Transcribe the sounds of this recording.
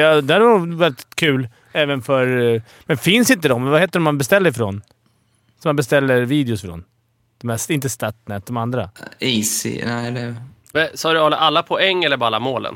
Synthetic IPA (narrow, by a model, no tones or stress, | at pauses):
ɑd̪ɛaɾvanʊvɛɾɪt̪kʰʉ̟ːl | ɛːvənfœɾ | mɛnfɪnsɪnt̪̬əd̪ɔmvaheːt̪ːəɾɔmːanbɛst̪ɛlːəɾfɾoːn | sɔmanbɛst̪ɛlːəɾviːd̪ɛɪʊsfɾo̰ːn | d̪ɔmæːsɪnt̪əst̪at̪nɛt̪̚d̪ɔmand̪ɾa̰isɪ̰nɛɛlɛ | vɛsɑːdəɔla̰ʔalːapʰɔɛŋːɛlːəɾbalːamoːlə̰n